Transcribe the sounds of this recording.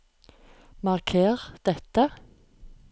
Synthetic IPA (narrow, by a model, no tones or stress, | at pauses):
mɑʁkʰeːʁd̪̥ɛt̪ə